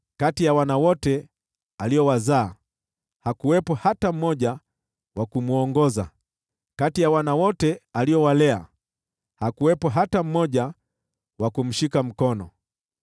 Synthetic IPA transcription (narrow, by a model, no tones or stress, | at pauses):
katijawanawɔtɛ | alijɔwazaː | hakuwɛpɔhatam̩mɔʄa | wakumuɔŋɡɔza | katijawanawɔtɛaliɔwalɛa̰ | hakuwɛpɔɦatam̩mɔʄa | wakum̩ʃikam̩kɔnɔ